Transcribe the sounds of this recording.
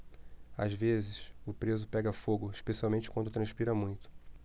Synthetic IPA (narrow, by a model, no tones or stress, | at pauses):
a̰zvezɪsʊpɾezʊpɛɡɐfoɡʊiʃpesiawmẽnt͡ʃɪ̥kwɐ̃nd̪ʊt̪ɾɐ̃ʃpiɾɐmũj̃t̪ʊ̥